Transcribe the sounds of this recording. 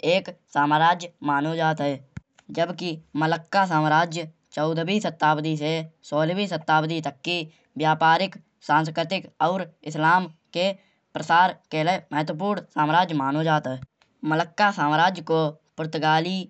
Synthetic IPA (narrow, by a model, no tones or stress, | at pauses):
eːksaːmːɾaːd͡ʒjmaːnod͡ʒaːt̪ɦɛː | d͡ʒəbkimələkːasaːmɾaːd͡ʒjə | t͡ʃɔʊd̪ʱbisət̪ːaːbd̪isesoːlbisət̪ːaːbd̪it̪əkːi | ʋjaːpaːɾɪk | sãːnskɾɪt̪ɪkɔːɾɪslaːmke | pɾəsaːɾkeleməɦt̪wəp̬uːɾnsaːmɾaːd͡ʒjmaːnod͡ʒaːt̪ɦɛː | mələkːasaːmɾaːd͡ʒjəko | pʊɾt̪əɡaːli